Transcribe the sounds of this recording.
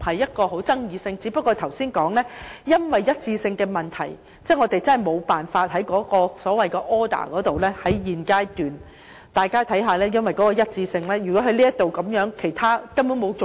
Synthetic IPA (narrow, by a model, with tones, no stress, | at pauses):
hɐ˨jːɐ˥t̚kɔː˧ɦo˨˥wt͡sɐ˥ŋjiː˨˧sɪ˧ŋt͡si˨˥pɐ˥kːɔː˧t̪ʰɐ˨˩wsiː˥nkɔː˨˥ŋlɛː˥jɐ˥nwɐ˨jːɐ˥t̚t͡siː˧sɪ˧ŋkɛː˧mɐ˨nt̪ʰɐ̰˨˩j | t͡sɛː˥ŋɔ˨˧t̪e˨jt͡sɐ˥nɦɐ˨˩jmo˨˧wpaː˨nfaː˧t̚ɦɐ˨˥jkɔː˨˥kɔː˧sɔː˨˥wɐ˨jkɛ˧ʔɔː˥d̪a̰ː˨˩kɔː˨˥t̪o˨wlɛː˥hɐ˨˥jjiː˨˩nkaː˧˥jt̪yː˨n | t̪aː˨jkaː˥t̪ʰɐ˨˥jɦaː˨lɛː˥jɐ˥nwɐ˨jkɔ˨˥kɔː˧jɐ˥t̚t͡siː˧sɪ˧ŋlɛː˥jyː˨kɔː˨˥ɦɐ˨˥jliː˥jɐ˥t̪o˨wkɐ˨˥mjœː˨˥ŋkʰe˨˩jt̪ʰaː˥kɐ˥mpu˨˥ŋmo˨˧wt͡so˨